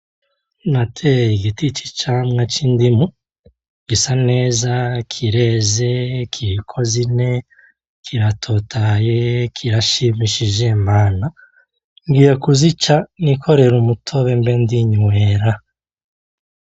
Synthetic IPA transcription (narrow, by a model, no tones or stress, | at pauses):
natʰejiɡitit͡ʃi̥t͡ʃamŋat͡ʃindimu | ɡisane̞ːzakʰiɾezekʰiɾikʰo̞zine̞ | kʰiɾatʰo̞tʰajekʰiɾaʃimiʃiʒemaːna | ŋɡiːjekuzit͡ʃanikʰo̞ɾe̞ɾumutʰo̞βembendiɲweːɾa